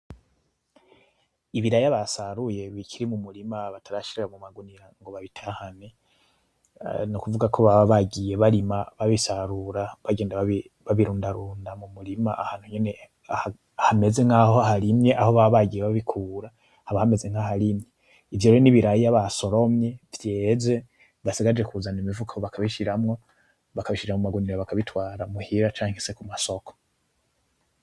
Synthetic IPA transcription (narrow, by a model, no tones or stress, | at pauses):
iβiɾajaβasaɾuje̞βiciɾimumuɾimaβatʰaɾaʃiɾeɾamumaɡuniɾaŋɡo̞βaβitʰahane | nukuvuɡakʰo̞βaβaɟije̞βaɾimaβaβisaɾuɾaβaɡeːndaβa | βaβiɾuːndaɾuːndamumuɾimaʔahaːn̥huɲene̞ | aa | ahame̞ze̞ŋ̥ahoaɦaɾimɲe̞ʔaho̞βaβaɡijeβaβikʰuːɾa | haβahame̞ze̞ŋ̥haɦaɾimɲe̞ | ivjoɾeɾoniβiɾajijaβaso̞ɾo̞mɲe̞vje̞ːze̞ | βasiɡad͡ʒe̞kuzanimivukʰaoβakʰaβiʃiɾamŋo̞ | βakaβiʃiɾamumaɡuniɾaβakaβitwaːɾamuhiɾat͡ʃaːŋhese̞kumaso̞kʰo̥